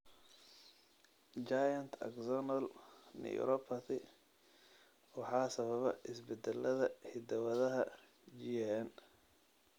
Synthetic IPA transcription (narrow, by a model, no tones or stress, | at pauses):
d͡ʒajɐnt̪ʰɐ̰kzɔnɐlnḭj̰ɾɔpʰɐt̪ɪ | wɑħɑːsɐβɐβɐ̰ʔɪsbɛd̪ɛlʔɐðɐhɪd̪ɐwɐðɐɦɐ | d͡ʒiɛɛn